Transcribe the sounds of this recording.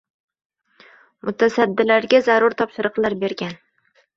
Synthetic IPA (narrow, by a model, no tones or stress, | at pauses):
mʔʊt̪ʰasad̪ːɪlaɾɡʲazaɾʊɾt̪ʰɒpʃɪɾɨqlˠaɾbe̞ɾɡʲan